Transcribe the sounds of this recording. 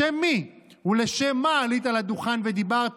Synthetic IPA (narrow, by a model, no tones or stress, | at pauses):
emːi | huleʃemːaːlit̪alad̪uχanved̪ibaʁt̪